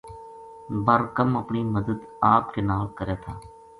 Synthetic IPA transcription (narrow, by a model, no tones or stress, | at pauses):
bəɾkəməpɳiːməd̪əd̪aːpɾeːnaːlkəɾjaːt̪ʰaː